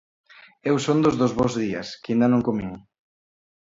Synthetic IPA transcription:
ewsond̪ozðozβozðiɐ̰skind̪ɐnõŋkomiŋ

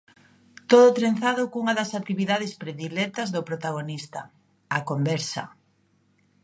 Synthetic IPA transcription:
t̪oðʊt̪ɾen̟θaðʊkuŋɐðɐsak̚t̪iβiðað̞espɾeðilɛt̪ɐzðopɾot̪aɣ̞onist̪ɐ̰ | akombɛɾsɐ̰

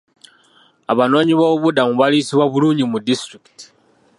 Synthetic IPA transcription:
aβano̞ːɲiβoβudamuβalisiβwaβuluːɲɟimudistɾiki̥ti̥

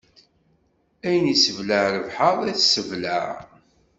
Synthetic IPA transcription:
æjənisəvləʕɾəvħəʁˤæθsəvlæ̰

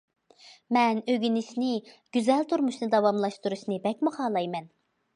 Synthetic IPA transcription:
mɛnøɡʲynɪʃnɪ | ɡ̥ʲyzɛlt̪ʰuɾmuʃnɨd̪ɑvɑmlˠɑʃt̪uɾuʃnɨbɛk̚ʲmuχɑːlˠɑjmɛn

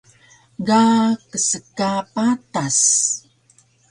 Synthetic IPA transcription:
ɡakəsəkapat̪as

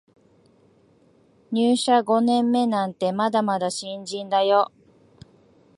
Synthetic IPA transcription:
ɲʲɨːɕaɡo̞nẽ̞mːe̞nãnt̪e̞mad̪amad̪aɕĩɲd͡ʑĩnd̪ajo̞

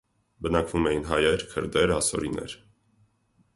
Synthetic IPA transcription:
bənɑkvumɛjinɦɑjɛɾkʰəɾd̪ɛɾɑsɔ̰ɾinɛ̰ɾ

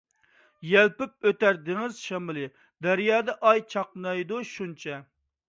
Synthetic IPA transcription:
jɛlpɪp̚øt̪æɾd̪ɪŋɪzʃɑmɨlˠɪ | d̪æɾijɑːd̪ɛʔɑjt͡ʃʰɑqnɑjd̪uʃunt͡ʃʰɛ

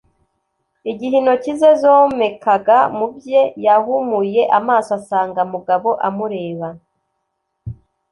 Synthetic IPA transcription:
iɟiɦino̞cize̞zome̞kaɡamubje̞jahumuje̞ʔamaːsoasaːŋɡamuɡaβo̞ʔamuɾe̞ːβa

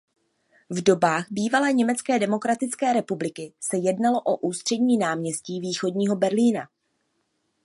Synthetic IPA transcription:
vdo̞baːɣbiːvalɛːɲɛmɛt͡skɛːdɛmo̞kɾat̪ɪt͡skɛːɾɛpublɪkɪsɛjɛdnalo̞ʔoʔuːst̪r̥ɛdɲiːnaːmɲɛsciːviːxo̞dɲiːɦo̞bɛɾliːna

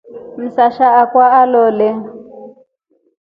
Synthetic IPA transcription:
m̩saʃaakwaalɔːlɛ

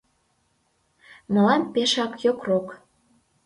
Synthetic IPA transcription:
mə̆lɑnpeʃɑkjokrok

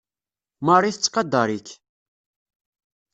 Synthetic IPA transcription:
mɑrˤiθət͡sːqɑd̪ːɑɾˤik

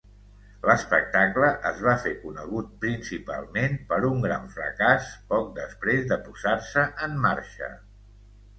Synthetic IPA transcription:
ləspək̚t̪akləʔəzβafekunəɣ̞ut̪̚pɾinsipa̰lˠmenpəɾuŋɡɾa̰ɱfɾə̰kaspɔk̚d̪əspɾezd̪əpuz̥arsəʔəmːa̰ɾʃə̰

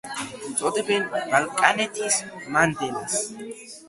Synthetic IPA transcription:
t͡sʼɔd̪ɛbɛnbɐlkʼɐnɛt̪iːsmɐnd̪ɛlɐs

